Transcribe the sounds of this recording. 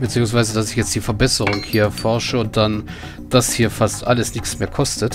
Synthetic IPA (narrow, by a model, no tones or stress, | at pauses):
bət͡siːʊŋs̬v̥aɪzədasɪçjɛt͡std̥iːfɛɐbɛsəʁʊŋhiːɐfɔɐʃəʊnt̚d̥an | d̥ashiːɐfastʔa̰ləsnɪçt͡smeːɐkʰɔstət